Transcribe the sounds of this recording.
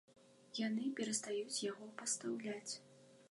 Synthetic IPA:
janɨpʲɛɾɐst̪ajut͡sʲjaɣɔpɐst̪awlʲat͡sʲ

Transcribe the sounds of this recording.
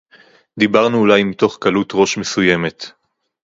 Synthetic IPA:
d̪ibaʁnuːlajmito̞χkalut̪ʁo̞ʃmesuje̞me̞t̪

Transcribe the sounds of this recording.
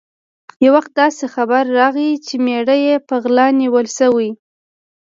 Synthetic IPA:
jawaxt̪̚d̪ɑsexabaɾːɑɣit͡ʃemeɽəjepəɣlɑniwəlsəwi

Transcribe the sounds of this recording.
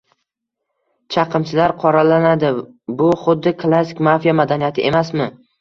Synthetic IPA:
t͡ʃʰɑqʰɨmt͡ʃʰɪlaɾqʰɒɾalanad̪ɪ | bʊχʊd̪ːɪkʰlˠasɪkʲmafijamad̪anijat̪ʰɪʔe̞masmɪ

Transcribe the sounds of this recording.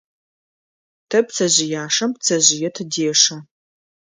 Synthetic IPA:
tʰɐp̚t͡sʰɐʑɪjaːʂɐmpt͡sʰɐʑɪjɛtʰɨdeːʂɐ

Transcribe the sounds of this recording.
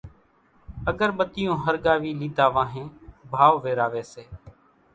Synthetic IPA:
əɡəɾɓət̪ɪjõːɦəɾɠaːʋiːliːd̪aːʋãːɦẽːbʱaːʋʋeːɾaːʋeːseː

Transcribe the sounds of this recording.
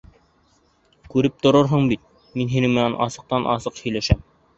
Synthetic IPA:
kʉɾɘp̚t̪ŏɾoɾɦoɴbit̪̚ | minɦinɘmɘ̆nænʔɑ̰sɤ̆q̚t̪ɑnʔɑsɤqhɵ̆jlæʃæ̰m

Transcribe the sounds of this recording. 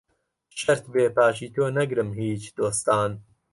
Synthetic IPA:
ʃɐɾt̪beːpaːʃiːt̪ʰoːnɐɡɾɨmɦiːt͡ʃd̪̥oːst̪aːn

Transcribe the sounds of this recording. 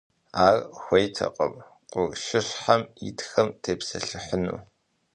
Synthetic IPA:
aːrxʷejtʰɐ̰qʼə̰m | qʷʼʊrʃɪɕħamḭtʰxɐmtʰeːpsɐɬɨħənṵː

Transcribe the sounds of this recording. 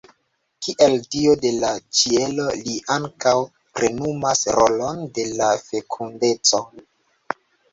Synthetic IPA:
kiʔeldiode̞lad͡ʒie̞lo̞liʔaŋkaw | pɾe̞numasɾʔolo̞nde̞lafe̞kʰunde̞t͡so̞

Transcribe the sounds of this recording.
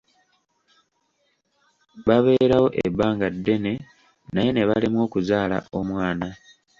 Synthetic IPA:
βaβe̞ɾawo̞ʔḛbːaːŋɡadːe̞ne̞ | naje̞ne̞βalimwo̞ːkuzaːla̰ʔo̞mwaːna

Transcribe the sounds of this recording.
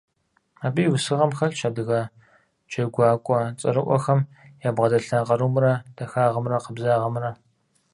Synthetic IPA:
aːbiːjwʊsɨʁɐmxɐɬʃʰɐb̚dɨɣɐ | d͡ʒɐɡʷɑːkʷʼɔt͡sʼɐ̰ɾɨʔʷɔ̰xɐmjaːbʁɐdɐɬaːqɐɾuːmrɐd̥ɐxaːʁɐmrɐqəbzaːʁɐmrɐ

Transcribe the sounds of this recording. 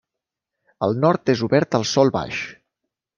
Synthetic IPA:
əlˠnɔɾt̪ezuβɛɾt̪əlˠsɔlˠβa̰ʃ

